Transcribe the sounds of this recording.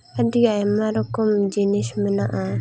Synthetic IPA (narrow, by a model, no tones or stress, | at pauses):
adiaɛmaɾɔkɔmd͡ʒiniʃmɛnaʔa